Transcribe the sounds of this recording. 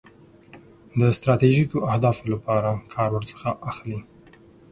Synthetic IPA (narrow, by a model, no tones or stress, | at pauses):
d̪əst̪ɾɑt̪eʒikoʔahd̪ɑfolapɑɾakʰɑɾwəɾt͡sə̥xaʔaxli